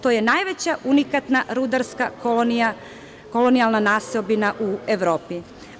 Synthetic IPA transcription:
t̪oje̞naːjʋet͡ɕaʔunikat̪naɾud̪aɾskak | ko̞lo̞nialˠnanaːsiobinaʔueʋɾo̞ːpi

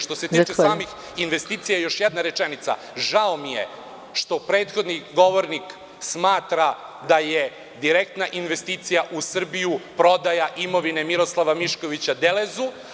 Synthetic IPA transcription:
ʃt̪o̞set̪it͡ʃesaːmix | inʋe̞st̪iːt̪sijajo̞ʃjed̪naɾe̞t͡ʃenit̪sa̰ | ʒaomije̞̰ | ʃt̪o̞pɾe̞ːt̪xo̞d̪niɡo̞ʋo̞ɾnik | smaːt̪ɾad̪aje | d̪iɾek̚t̪naʔinʋe̞st̪iːt̪sijaʔusr̩bijupɾo̞d̪ajaʔimo̞ʋine̞miɾo̞slˠaʋamiʃko̞ʋit͡ɕad̪elezu

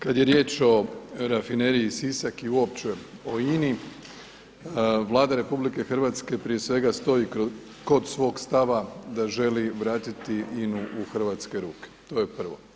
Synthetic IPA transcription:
kad̪je̞ɾje̞ːt͡ʃo̞ɾafineɾiːsisakiuopt͡ʃe̞o̞ini | ʋlˠaːd̪aɾe̞publike̞xr̩ʋat̪ske̞pɾije̞sʋe̞ɡast̪o̞ji | ko̞d̪sʋo̞ːɡst̪aʋad̪aʒe̞liʋɾaːt̪it̪iʔinuʔuxr̩ʋaːt̪ske̞ɾuːke̥t̪o̞je̞pr̩ʋo̞̰

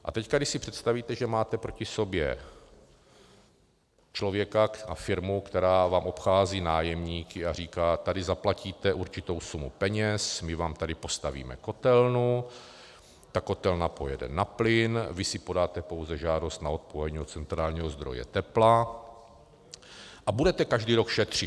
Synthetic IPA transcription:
ʔa̰t̪ɛckadɪʃsɪpr̥ɛt̪st̪aviːt̪ɛʒɛmaːt̪ɛpɾo̞cɪso̞bjɛ̰ | t͡ʃlo̞vjɛkaafɪɾmukt̪ɛɾaːvaːmʔo̞pxaːziːnaːjɛmɲiːkɪar̝iːkaːt̪adɪzaplaciːt̪ɛʔuɾt͡ʃɪt̪o̞wsumupɛɲɛsmɪvaːmt̪adɪpo̞st̪avḭːmɛ̰ko̞t̪ɛlnu | t̪ako̞t̪ɛlnapojɛdɛ̰naplɪnvɪsɪpo̞daːt̪ɛpowzɛʒaːdo̞st̪nao̞t̪̚poɛɲiːdot͡sɛnt̪ɾaːlɲiːɦozd̪ɾo̞̰jɛ̰t̪ɛpla | ʔabudɛt̪ɛkaʒdiːɾo̞kʃɛt̪r̝̥ɪ

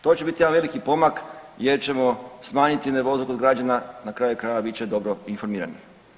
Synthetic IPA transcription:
t̪o̞t͡ɕe̞bit̪ijeanʋe̞likipo̞mak | je̞ɾt͡ɕe̞mo̞smaːɲit̪ineɾʋo̞zuko̞d̪ɡɾad͡ʒananakɾaːjukɾaːjʋabitt͡ɕed̪o̞bɾoinfo̞ɾmiːɾa̰ni

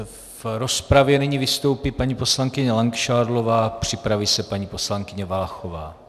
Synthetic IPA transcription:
vɾo̞spɾavjɛnɛɲivɪst̪o̞wpiːpaɲiːpo̞slaŋkɪɲɛlaŋkʃaːɾlo̞vaːpr̝̥ɪpɾaviːsɛpaɲiːpo̞slaŋkɪɲɛvalaxovaː

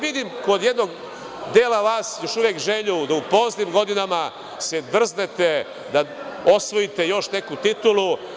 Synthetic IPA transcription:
ʋid̪imko̞d̪je̞d̪no̞ɡ | d̪eːlaʋaːsjo̞ʃuʋjekʒeʎud̪aupo̞snimɡo̞d̪inama | sed̪r̩zne̞t̪e̞ | d̪ao̞sʋo̞jit̪e̞jo̞ʃne̞kut̪it̪ulu

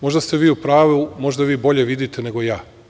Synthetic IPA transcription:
mo̞ʒd̪ast̪e̞ʋiːupɾaːʋumo̞ʒd̪aʋiːbo̞ʎe̞ʋid̪it̪e̞ne̞ɡo̞jaː

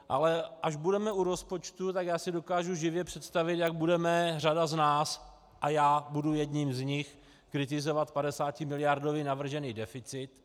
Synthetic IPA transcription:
ʔa̰lɛʔaʒbudɛmɛʔuɾo̞spo̞t͡ʃt̪ut̪akjaːsɪdo̞kaːʒuʒɪvjɛpr̝̥ɛt̪st̪avɪt̪jaɡ̚budɛmɛr̝adaznaːs | ʔajaːbudujɛdɲimzɲɪx | kɾɪt̪̬ɪzo̞vat̪padɛsaːcɪmɪlɪjaɾdoviːnavr̩ʒɛniːdɛfɪt͡sɪt̪

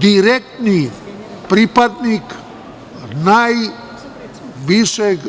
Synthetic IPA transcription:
d̪iɾek̚ʈni | pɾipəd̪nik | naj | ʋisek

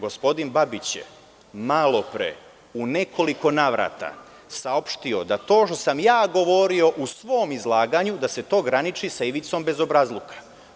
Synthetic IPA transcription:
ɡo̞spo̞d̪inbabit͡ɕjḛ | malo̞pɾḛ | une̞ko̞liko̞naːʋɾa̰ːt̪a̰ | sao̞pʃt̪io̞d̪at̪o̞ːʃt̪o̞samjaːɡo̞ʋo̞ɾio̞ʔusʋo̞ːmizlˠaːɡaɲud̪ase̞t̪o̞ːɡɾanit͡ʃisaiʋit̪so̞mbe̞zo̞bɾazlˠukḁ

